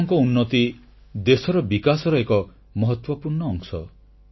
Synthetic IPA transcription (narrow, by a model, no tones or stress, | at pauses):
ŋkɔunːɔt̪i | d̪esɔɾɔbikasɔɾɔekɔ | mɔɦɔt̪wɔpuɾɳɔːŋsɔ̰